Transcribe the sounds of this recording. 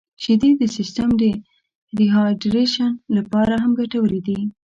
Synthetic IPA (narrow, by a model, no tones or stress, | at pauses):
ʃɪd̪ed̪əsɪst̪amd̪ə | ɾiɦɑɖɾeʃanlapɑɾaɦamɡaʈawəlid̪i